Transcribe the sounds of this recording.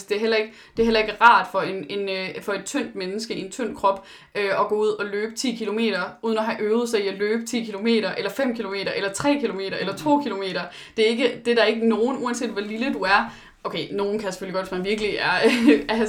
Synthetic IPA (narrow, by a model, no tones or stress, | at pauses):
sd̥e̝æɐɦel̰ɐe̝ɡ̥ə | d̥e̝æɐɦelɐe̝ɡ̥əʁɑ̈ːd̥fɒ̽e̝nenøfɒ̽e̝d̥̚t͡sʰøn̰d̥̚menəsɡ̥əie̝nt͡sʰøn̰d̥̚kʰʁɒ̽b̥ | ʔøɒ̽ɡ̥ɔ̰ːuð̞̰ˠɒ̽løːb̥ə̥t͡sʰḭːkʰilo̝me̝̰ːɾ̥ɐuðˠn̩ɒ̽ɦæʔøːʊð̞̩ˠsɑ̈ɪiæløːb̥ə̥t͡sʰḭːkʰilo̝me̝̰ːdɾɐʔelɐfem̰kʰilome̝̰ːd̥ɐʔelɐt͡sʰʁɛ̰ːkʰilo̝me̝̰ːɾ̥ɐelɐt͡sʰo̝̰ːkʰilo̝me̝̰ːɾ̥ɐ | d̥e̝æɐe̝ɡ̥əd̥e̝ɾ̥ɑ̈e̝ɡ̥əno̝ːn̩uænsḛːd̥ʋɒ̽liləd̥uæɐ | ʔoʊkʰeɪno̝ːn̩kʰæjseføliɡ̥ɒ̥̽ʋesmænʋiɐɡ̥əliæɐæ